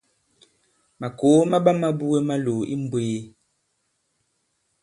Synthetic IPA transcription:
ma˨ko˨˦ma˦ɓa˦ma˦bu˦e˦ma˦lo˨ʔḭ˦m̩˦bweː˦

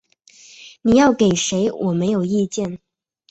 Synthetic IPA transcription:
ni˨˩jɑ˥˩ʊke˨˩ɪʂe˧˥ɪwʔɔ˨˩me˧˥ɪjo˨˩ʊi˥˧t͡ɕjɛ˥˩n

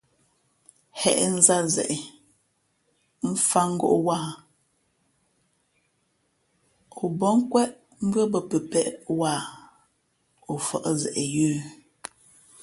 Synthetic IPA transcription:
hɛ˨ʔn̩˦za˦zɛ̰˨ʔɛ˨ | m̩˦fa˦ŋ̩˦ɡo̰˦ʔwa˦˨ | o˨bɔ˦ŋ˦kwɛ˦ʔ | m̩˦bɰə˦bə˨pə˨pɛ˦ʔwa˦˨ | o˨fɔ˦˨ʔzɛ˨ʔɛ˨jʉː˦

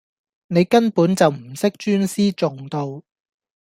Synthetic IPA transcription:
ne˨˧jkɐ˥npuː˨˥nt͡sɐ˨wm̩˨˩sɪ˥k̚t͡ʃyː˥nsiː˥t͡sʊ˨ŋt̪o˧w

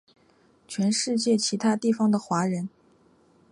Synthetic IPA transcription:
t͡ɕʰɥɛ˧˥nʂɻ̩˥˧t͡ɕjɛ˥˩t͡ɕʰi˧˥t̪ʰa˥t̪i˥˩fɑ˩ŋd̪ə˨xwa˧˥ɻə˧˥n

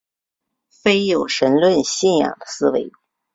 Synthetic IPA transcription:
fe˥ɪjo˨˩ʊʂə˧˥nlwə˥˧nɕi˥˩njɑ̰˨˩ŋd̪ə̥˦sɹ̩˥we˧˥ɪ

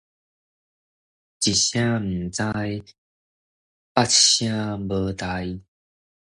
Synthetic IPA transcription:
t͡ɕi˨˩ɕjã˦m̩˨˩t͡sa˧j | pa˥tɕjã˥˧bə˧t̪a˧˦j

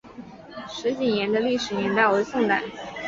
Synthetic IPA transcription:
ʂɻ̩˧˥t͡ɕi˨˩njɛ˧˥nd̪ə˧li˥˩ʂɻ̩˨˩njɛ˧˥nt̪a˥˩we˧˥ɪsʊ˥˧ŋt̪a˨˩˦

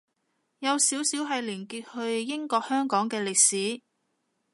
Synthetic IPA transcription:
jɐ˨˧wsiː˨˥wsiː˨˥wɦɐ˨jliː˨˩nkiː˧t̚hɵ˧ɥjɪ˥ŋkɔː˧k̚hœː˥ŋkɔː˨˥ŋkɛː˧lɪ˨k̚siː˨˥

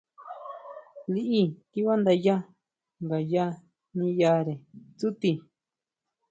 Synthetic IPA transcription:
li˧ʔi˦ki˦βa˦nd̪a˧ja˦ | ŋɡa˨ja˦ | nĩ˧ja˧ɾe˨t͡su˦t̪i˧

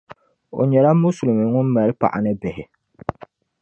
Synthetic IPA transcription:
o̰˨ɲɛ˨la˦mu˦su˨lmɨ˨ŋʊ˦n˦ma˨ɾɨ˦pa̰˨ʔa̰˨nɨ˦bɪ˨hɪ˨

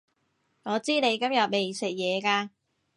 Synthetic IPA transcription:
ŋɔː˨˧t͡siː˥ne˨˧jkɐ˥mjɐ˨t̚me˨˩jsɪ˨k̚jɛː˨˧kaː˧

